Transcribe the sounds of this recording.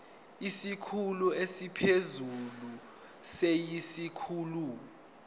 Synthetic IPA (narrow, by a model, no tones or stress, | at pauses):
isikʰuluesipʰezulu | sejisikʰuːlu